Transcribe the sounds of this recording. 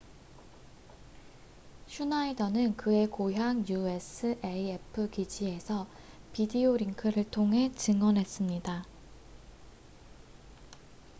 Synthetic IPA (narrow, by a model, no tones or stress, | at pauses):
ɕʰunaidʌnɯnkɯe̞koɦjaŋjue̞s͈ʰɯʔe̞ie̞pʰɯkid͡ʑie̞sʰʌ | pidioɾiŋkʰɯɾɯɭtʰoŋɦe̞t͡ɕɯŋʌnɦe̞s͈ɯmɲida